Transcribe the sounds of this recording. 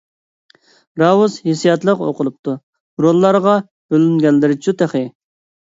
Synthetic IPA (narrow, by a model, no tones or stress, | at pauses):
ɾɑwuzhisijɑt̪lˠəqo̰qʰʊlˠup̚t̪ʰu | ɾolˠːɑɾʁɑ | b̥ølyŋɡʲɛlːɪɾɪt͡ʃʰut̪ʰeχɪ